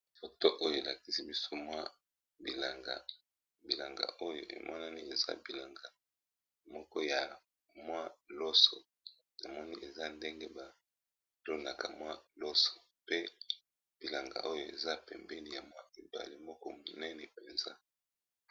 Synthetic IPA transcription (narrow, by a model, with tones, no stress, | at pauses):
fo˨to˦ʔo˦jo˨e˨la˨ki̥˨si˦bi˦so˦mwa˦ | bi˨la˨ŋɡa̰˨ | bi˨la˨ŋɡa̰˨ʔo˦jo̰˨ʔḛ˨mʔɔ˦na˦ni˦e˨za̰˦bi˨la˨ŋɡa˨ | mɔ˦kɔ˦ja˨ | mwa˦lo˦so˨ | na˨mɔ˦ni˦ʔe˨za˦nde˦ŋɡe˦ba˨ | lo˦na˨ka˨mwa˦lo˦so̥˨ | pe˦ | b̥i˨la˨ŋɡa̰˨ʔo˦jo˨ḛ˨za˦pɛ˨mbɛ˦li˦ja˨mwa˦e˨ba̰˨li˦mɔ˦kɔ˦mo˨nɛ˦nɛ˨pe˨nza̰˦